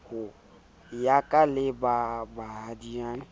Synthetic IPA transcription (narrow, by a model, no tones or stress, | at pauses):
ho | jakalebabaɦadiã